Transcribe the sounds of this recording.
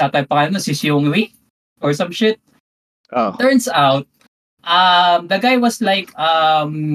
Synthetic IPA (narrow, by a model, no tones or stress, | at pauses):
ak̪ɐpɐŋɐnosɪsjoŋwi | ʔɔɹsɐ̃mʃɪt̪̚ | ʔo̰ɛɹnsawt̪̚ | ʔɐmd̪ɐɡajwɐslajkʔɐm